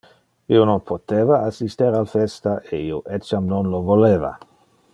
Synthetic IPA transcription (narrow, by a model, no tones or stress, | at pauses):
iononpʰot̪eːvaasist̪eɾalfest̪aʔeioʔet͡ʃamnonlovoleːva̰